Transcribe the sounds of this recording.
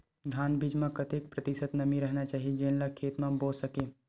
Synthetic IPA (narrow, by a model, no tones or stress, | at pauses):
d̪ʱaːnbid͡ʒmẽkət̪eːk̚pɾət̪ɪsət̪nɐmiɾəɦnat͡ʃaːɦid͡ʒẽːnlakʰːeːt̪mẽboːsəkeː